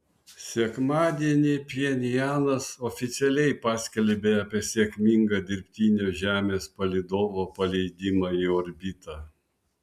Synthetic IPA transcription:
sʲɛkmɑːd̪ʲiɛnʲipʲiɛnʲɪjæːnɐsoːfʲɪt̪sʲɛlʲɛɪpɑːsʲkʲɛlʲbʲeːɑːpʲiɛsʲekʲmʲiŋɡɐːd̪ʲɪɾʲpʲt̪ʲiːnʲoːʒʲæːmʲeːspɐlʲɪd̪oːʋoːpɐlʲɛɪd̪ʲɪmɑːiɔɾʲbʲɪt̪ɑ

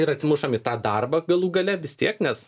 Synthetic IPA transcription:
ɪɾɐtʲsʲɪmʊʃɐmit̪ɑːd̪ɐrbɐɡɐlˠuːɡɐlʲɛʋʲɪst̪ʲiɛknʲɛs

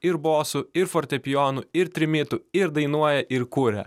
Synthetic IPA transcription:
ɪɾboːsʊɪɾfɔɾʲt̪ʲɛpʲɪjoːnʊɪɾt̪ʲɾʲɪmʲɪt̪ʊɪɾd̪ɐɪnuɔjɛʔɪɾkʊɾʲɛ̰

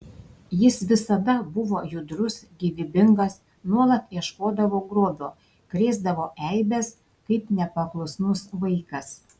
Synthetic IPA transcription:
jɪsʋʲɪsɐd̪ɐbʊʋoːjʊd̪ɾʊsɡʲiʋʲɪbʲɪŋɡɐs | nuɔlˠɐt̪iɛʃkoːd̪ɐʋoːɡɾoːb̪ʲoː | kɾʲeːzd̪ɐʋoːʔɛɪbʲɛs | kɐɪpnʲɛpɐklˠʊsnʊsʋɐɪkɐs

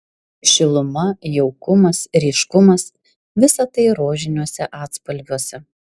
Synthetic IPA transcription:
ʃʲɪlˠʊmɐjɛʊkʊmɐsɾʲɛːʃkʊmɐs | ʋʲɪsɐt̪ɐɪɾoːʒʲɪnʲuɔsʲɛʔɑːt̪spɐlʲʋʲuɔsʲɛ

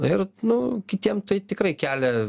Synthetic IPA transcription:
ɪrnʊkʲɪt̪ʲiɛmt̪ɐɪt̪ʲɪkɾɐɪkʲæːlʲɛ

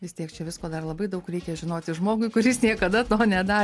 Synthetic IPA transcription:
ʋʲɪst̪ʲiɛkt͡ʃʲɛʋʲɪskoːd̪ɐrlˠɐbɐɪd̪ɐʊkɾʲɛɪkʲɛʒʲɪnoːt̪ʲɪʒmoːɡʊɪkʊɾʲɪsnʲiɛkɐd̪ɐt̪oːnʲɛd̪ɑː

